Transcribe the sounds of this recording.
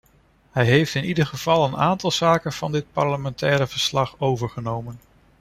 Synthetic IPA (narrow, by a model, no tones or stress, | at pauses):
hɛjɦejftɪnidəɹχəv̥ɑlˠəna̰ːntɑlˠz̥aːkənv̥ɑndɪt̚pɑɹləmɛntɛːɾəv̥əɹslɑχowvəɹχənowmən